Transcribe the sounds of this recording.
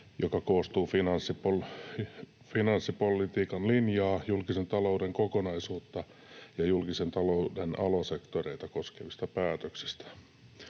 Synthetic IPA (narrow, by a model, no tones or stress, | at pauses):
jokɑkoːst̪uːfinɑnsːipol | finɑnsːipolːˑit̪iːkɑnlinjɑːjulkisent̪ɑloudeŋkokonɑisuːt̪ːɑ | jɑjulkisent̪ɑloudenɑlosekt̪oreit̪ɑkoskeʋist̪ɑpæːt̪øksi̥st̪æ̥